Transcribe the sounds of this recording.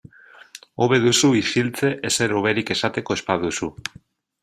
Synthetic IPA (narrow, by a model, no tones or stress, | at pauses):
oβeðusuifilt͡s̪eʔeseɾoβeɾikesat̪ekoespaðusu